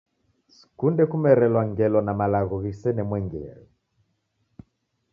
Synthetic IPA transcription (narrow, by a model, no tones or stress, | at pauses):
si̥kundɛkumɛɾɛlwaŋɡɛlɔnamalaɣɔɣisɛnɛmwɛŋɡɛɛ̰lɔ